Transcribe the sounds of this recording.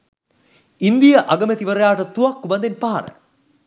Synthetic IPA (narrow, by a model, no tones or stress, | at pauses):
ind̪ijəʔaɡəmet̪iʋəɾejaːʈət̪uʋɐkːubɐnd̪enpaɦɐ̰ɾə̰